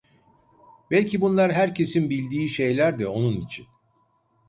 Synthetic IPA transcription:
bɛlʲcʰibunlˠaɾɦæɾcʰe̞sinbilʲd̪iːʃe̞jlʲæɾd̪ɛo̞nunit͡ʃʰin

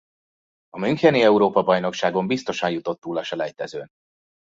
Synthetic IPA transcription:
ɒmyŋkɛniɛuɾoːpɒbɒjno̞kʃaːɡo̞mbist̪o̞ʃɒnjut̪o̞t̪ːuːlɒʃɛlɛjt̪ɛzøːn

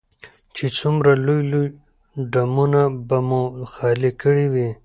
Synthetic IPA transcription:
t͡ʃet͡sumɾalujluj | ɖamunabamuxɑlikəɽiwi

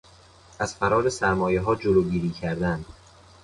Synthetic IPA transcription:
ʔæz̥fæɾɒːɾesæɾmɒːjeɦɒːd͡ʒoloːɟiːɾiːcʰæɾd̪ænd̪̥

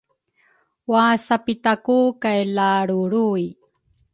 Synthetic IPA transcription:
wasapitakukajlaɽuɾui

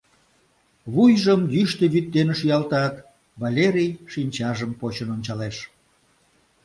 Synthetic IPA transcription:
βujʒəmjyʃt̪eβyt̪̚ːenʃyjɑlt̪ɑt̪ | βɑlʲeɾʲijʃinʲt͡ɕɑʒəmpot͡ɕənonʲt͡ɕɑleʃ

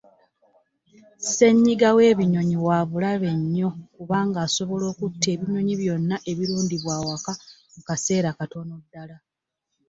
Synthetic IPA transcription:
se̞ɲːiɡawe̞ːβiɲo̞ɲiwaːβulaβe̞ɲːo̞kuβaːŋɡaːso̞βo̞lo̞ːkutːe̞ːβiɲo̞ɲiβjo̞nːaʔe̞βiɾuːndiβwaːwakamukase̞ːɾakato̞no̞dːala

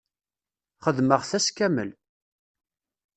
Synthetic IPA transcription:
χəðməʁθæskæmə̰l

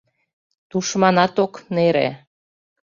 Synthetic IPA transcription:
t̪uʃmɑnɑt̪okneɾḛ

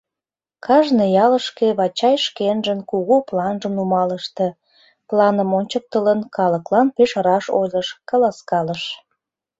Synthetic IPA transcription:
kɑʒnejɑləʃkeβɑt͡ɕɑjʃkenʒənkuɣuplɑnʒəmnumɑləʃt̪e | plɑnəmonʲt͡ɕək̚t̪ələnkɑləklɑnpeʃəɾɑʃojləʃkɑlɑskɑləʃ

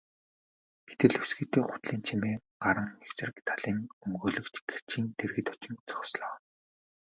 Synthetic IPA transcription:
ɡ̥et̪ɘ̆ɮɵsɡɘ̆t̪eːχʊ̥t̪ɮiːnt͡ɕʰimeːɢ̥aɾə̆ŋːeksɘ̆r̆kt̪ʰaɮiːŋɵŋɡoːɮɵ̆kt͡ɕɡ̥e̥t͡ɕiːnt̪ʰerɣɘ̆t̪ɔ̥t͡ɕɪ̆nt͡sɔ̥χsɮɔː

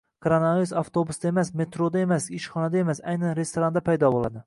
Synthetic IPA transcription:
kʰoɾonaviɾusaft̪ʰobusd̪aemasme̞t̪ɾod̪ae̞masɪʃχɒnad̪ae̞masajnanɾe̞st̪oɾand̪apʰajd̪ɒbolˠa̰d̪ɪ

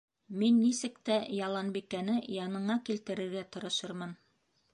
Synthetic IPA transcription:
minːisɘkt̪æjɑlˠɑnbikænɘjɑnɤ̆ɴɑkilt̪ɘ̆ɾɘ̆ɾɡæt̪ɤ̆ɾɤ̆ʃɤɾmɤn

